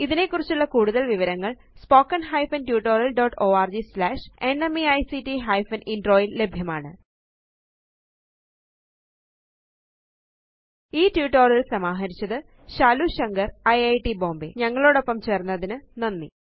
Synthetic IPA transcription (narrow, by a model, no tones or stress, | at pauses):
iðine̞kːurit͡ɕːuɭːɐkuːɽuðɐlʋiʋɐɾɐŋːɐɭ | spoːkːɐnɦɐjfɐntjuːʈːo̞ːɾɐlɖoːʈːo̞ːaːrd͡ʑislaːʂe̞nemiɐjsitːiɦɐjfɐninɖro̞ːjille̞bʱjɐmaːɳɨ | iːtjuːʈːoːrilsɐmaːɦɐɾit͡ɕːɐðɨ | ɕaːluɕɐŋɡɐrɐjɐjʈibo̞ːmbḛɲɐŋːɐɭo̞ːɽo̞pːɐmt͡ɕe̞ːrnːɐðinɨnɐnːḭ